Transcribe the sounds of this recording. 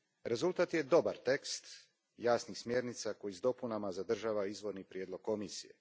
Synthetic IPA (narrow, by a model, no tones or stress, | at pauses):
ɾe̞zulˠt̪at̪je̞d̪o̞baɾt̪e̞kst̪ | jaːsnixsmje̞ːɾnit̪sako̞jizd̪o̞punamazad̪r̩ʒaːʋaizʋo̞ɾnipɾjeːd̪lˠo̞ɡ̚ko̞misijḛ